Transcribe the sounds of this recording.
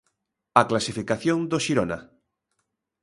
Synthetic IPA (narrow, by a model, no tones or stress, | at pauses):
aklasifikaθjõnd̪oʃiɾona̰